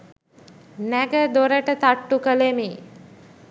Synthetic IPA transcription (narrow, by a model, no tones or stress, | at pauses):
næɡəd̪oɾəʈət̪aʈːukəlemi